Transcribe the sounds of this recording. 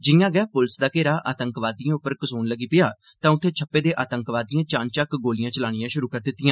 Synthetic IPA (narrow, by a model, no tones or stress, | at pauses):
d͡ʒɪjãːɡɛːpʊlsd̪aːkeːɾaːʔaːt̪əŋkʋaːd̪ijãːʊpːəɾkəsoːnləɡiːpɪjaː | t̪ãːʊt̪ʰːeːt͡ʃʰəpːeːd̪eːʔaːt̪əŋkʋaːd̪ɪjãːt͡ʃãːnt͡ʃəkɡoːlɪjãːt͡ʃəlaːɽ̃ɪjãːʃʊɾuːkəɾd̪ɪt̪ːɪjãː